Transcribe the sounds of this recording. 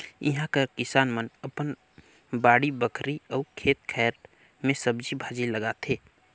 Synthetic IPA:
ḭɦãkakɪsaːnmənəpən | baːɽibəkʰɾiɔːkʰeːt̪kʰɛːɾ | mẽsəbd͡ʒibʱaːd͡ʒiləɡat̪ʰeː

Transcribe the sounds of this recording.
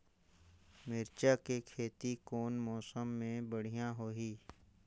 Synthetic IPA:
mɪɾt͡ʃakekʰeːt̪ikoːnmɔːsəmːẽbəɽ̤ijãɦoːɦiː

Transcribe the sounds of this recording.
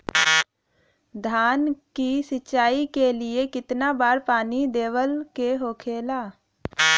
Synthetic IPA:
d̪ʱaːnkisɪt͡ʃːʃaːikeliekɪt̪nabaːɾpaːnid̪eːwəlkeɦoːkʰeːlaː

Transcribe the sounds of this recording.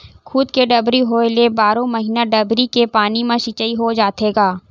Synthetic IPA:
kʰʊd̪keɖɐbɾiɦoelebaːɾõmɐɦiːnaɖɐbɾikepaːnimãʃɪt͡ʃəiɦod͡ʒaːt̪eːɡaː

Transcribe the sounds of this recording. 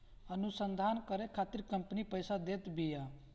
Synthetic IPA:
ənusənd̪ʱaːnkəɾekʰaːt̪iɾkəmpnipəjsad̪et̪bija

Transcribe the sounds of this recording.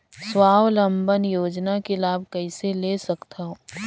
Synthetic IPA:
swaːwlɐ̃mbənjoːd͡ʒnakelaːb̚kɐɪselesɐkt̪aɦoː

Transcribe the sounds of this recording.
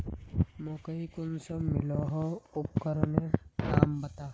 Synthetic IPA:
mõːkəɦikʊnsɐmɪloːɦoʊp̚kəɾnekaːmbɐt̪aː

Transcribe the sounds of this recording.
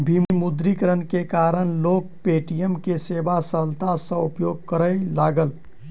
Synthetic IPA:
bʱimimud̪ɾikəɾənkekaɾəɳloːk̚peʈijəmkesebasəlt̪asə̃upjoɡ̚kəɾəlaɡəl

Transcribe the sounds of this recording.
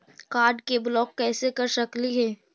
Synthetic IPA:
kaːɾɖkeblɔːkːɛːsekɐɾʃɐkliɦɛː

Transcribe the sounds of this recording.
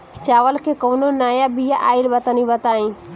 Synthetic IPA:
t͡ʃaːʋəlkekoːnonaːjabijaʔaːɪlbət̪anĩbət̪aːĩː

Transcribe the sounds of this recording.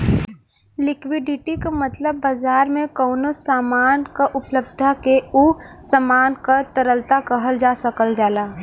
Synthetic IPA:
lɪkwɪɖɪʈikamət̪ləbːazaːɾmẽkɔːnosaːmaːnkaʔʊpləb̚d̪ʱakeusəmaːnkət̪əɾəlt̪akəɦəld͡ʒaːsəkəld͡ʒaːlaː

